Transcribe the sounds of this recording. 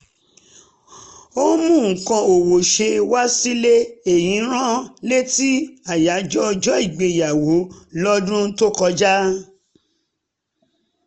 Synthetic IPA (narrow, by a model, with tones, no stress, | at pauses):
o˦mũ˦˨kã˧o˨wo˨ʃe˧wa˦si˦le˦e˨j̃ĩ˨˦ɾ̃ã˦le˦ti˦a˨ja˨˦d͡ʒɔ˦˧d͡ʒɔ˦i˦˨ɡ͡be˧˨ja˨wo˨˦lɔ˦dũ˦to˦kɔ˧d͡ʒa˦